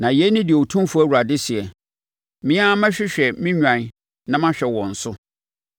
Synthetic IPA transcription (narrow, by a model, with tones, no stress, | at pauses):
nã˨jɛ˦nɪ̃˦dɪ˨tʰũ˦m˦fu˦æ˦wu˨ɾa˨dɪ˦si˨ɛ˨ | mĩ˦ã˦mã˦ɕᶣɪ˦ɕᶣɛ˨mĩ˦ɲᶣã˨n˨ | nã˦mã˦ɕᶣɛ˨wɔ̃˨n̩˨sʊ˦